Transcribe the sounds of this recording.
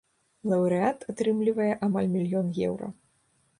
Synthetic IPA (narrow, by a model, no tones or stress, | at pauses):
lˠɐwɾɨat̪at̪ɾɨmlʲivɐjɛʔamalʲmʲilʲjɔnjɛ̰wɾɐ̰